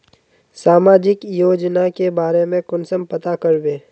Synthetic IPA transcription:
saːmaːd͡ʒɪkjoːd͡ʒnakebaːɾemẽkʊnsəmpɐt̪akɐɾbeː

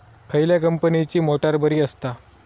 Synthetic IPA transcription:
kʰəjljakəmpənit͡ɕiːmoʈaɾbəɾiːəst̪a

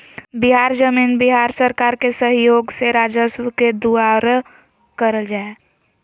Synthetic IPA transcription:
bɪɦaːɾd͡ʒəmiːnbɪɦaːɾsəɾkaːɾkesəɦjoːɡseɾaːd͡ʒəswəked̪uaɾ | kəɾəld͡ʒaːe

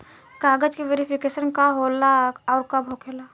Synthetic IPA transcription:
kaːɡəd͡ʒkiʋeːɾipʰikeːsənkaɦoːlaɔːɾkabʱoːkʰela

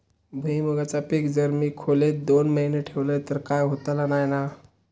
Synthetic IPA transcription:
bʱuiməɡat͡sapikd͡zəɾmiːkʰolet̪̚d̪onməɦineʈʰeʋləjt̪əɾkajɦot̪alanajna

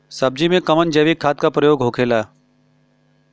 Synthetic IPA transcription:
sɐb̚d͡ʒimẽkɐmənd͡ʒeːʋikʰːaːt̪̚kapɾəjoːɡɦoːkʰeːlaː

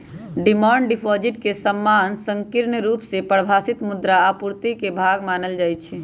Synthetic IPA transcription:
ɖimɔːɳɖipʰɔd͡ʒiʈkesəmːaːnsə̃ŋkiɾnəɾuːpsepəɽbʱaːsit̪mud̪ɾaːpuɾt̪ikebʱaːɡmaːnəld͡ʒaːjt͡ʃʰɛ

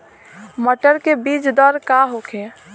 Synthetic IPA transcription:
məʈəɾkebid͡ʒd̪ɔɾkaɦokʰe

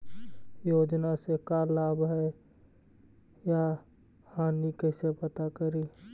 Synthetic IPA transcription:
joːd͡ʒnasekalaːbɦɛ | ja | hãːnikɛːsepət̪akəɾiː

